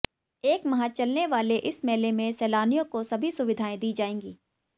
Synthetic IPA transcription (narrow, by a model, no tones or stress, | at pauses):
eːkmɐɦãt͡ʃɐlneʋaːleʔɪsmɛːlemẽsɛːlaːnijõkosɐbʱisʊʋɪd̪ʱaːẽd̪iːd͡ʒaːẽːŋɡiː